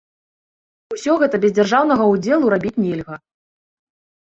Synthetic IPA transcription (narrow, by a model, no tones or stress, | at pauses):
usʲɔɣɛt̪ɐbʲɛzʲd͡zʲarʐawn̪ɐɣɐud͡zʲɛlˠuɾabʲit͡sʲnʲɛlʲɣɐ